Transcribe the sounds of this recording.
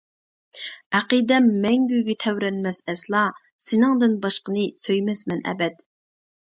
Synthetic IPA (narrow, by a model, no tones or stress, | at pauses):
æqid̪ɛmːɛŋɡʲyjɡʲɛt̪ʰɛwɾɛnmɛsɛslˠɑ | sɪnɨŋd̪ɨnbɑʃqənɨsøjmɛsmɛnɛ̰bɛt̪